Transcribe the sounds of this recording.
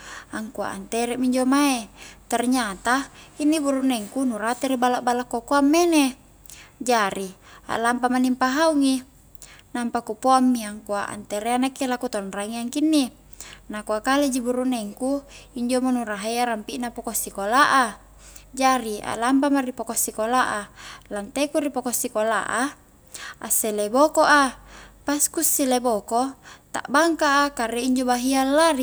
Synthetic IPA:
aŋkua̰ʔa̰nt̪eɾɛmiɲd͡ʒomaet̪ɛrɲat̪ainːibuɾuʔneŋkunuɾat̪eɾibalaʔbalakuokoamːene | d͡ʒaɾia̰ʔlampamanimpaɦauŋi | nampakupoamːiaŋkuaʔa̰nt̪eɾeanakːelakut̪onraŋiaŋkinːi | nakuakaled͡ʒibuɾuʔneŋkuiɲd͡ʒomonuraɦajaɾampiʔnapokosikolaʔa | d͡ʒaɾia̰lambamaripokosikolaʔalant̪ekuɾipokosikola̰ʔa | aselebokoʔapaskusːilebokot̪a̰ʔbaŋkaʔakaɾeiɲd͡ʒobaɦialːari

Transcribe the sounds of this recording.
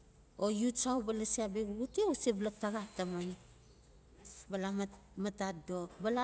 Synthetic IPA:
ojutsawbalasiabiɡuɡutiosiblak̚taɡataman | balamatatdobala

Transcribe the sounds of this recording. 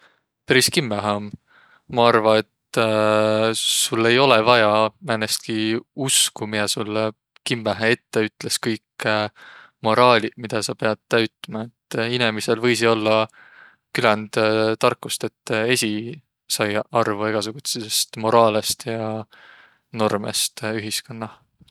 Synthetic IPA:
peɾiskimːæɦeom | mɑɑrvɑe̞t̪ | sulːe̞jo̞levɑjɑmænest̪̚kiuskumijɑsulː | kimːæɦee̞t̪ːe̞yt̪ːle̞skɤjk | mo̞ɾɑːlʲimid̪̥ɑsɑpe̞ɑd̪̥̚t̪æɥt̪ːˑmɑe̞t̪ːinemise̞lvɤjs̬io̞lːɑ | kylænd̪̥t̪ɑrkːˑust̪e̞t̪ːe̞sʲi | sɑjɑrvue̞ɡ̥ɑsuɡ̥ut̪sesest̪mo̞ɾɑːlest̪jɑ | no̞rmḛst̪yɦiskonːɑ

